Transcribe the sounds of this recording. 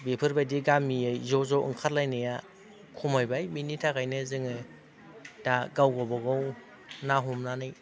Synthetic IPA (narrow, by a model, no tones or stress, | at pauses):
bepʰɯɾbadiɡamijɯjzɔzɔʔɯ̰ŋkʰaɾlajnɯja | kʰumajbajminitʰakajnɯzɯŋɯ | taɡawɡɔbaɡɔw | naɦumnanɯj